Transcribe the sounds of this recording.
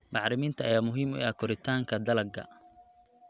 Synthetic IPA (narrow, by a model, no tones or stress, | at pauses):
mɑħɾɪmiːnt̪ʰɐʔɐjaːmʊɦiːmʊ̰ɐkʰɔɾɪt̪ʰaːŋkʰɐd̪ɐlɐɡɐ̰